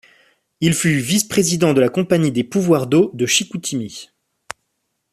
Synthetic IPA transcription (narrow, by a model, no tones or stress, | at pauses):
ilfyvispχezid̪ɑ̃d̪əlakɔ̃paɲid̪epuvwaʁd̪od̪əʃikut̪ʰimi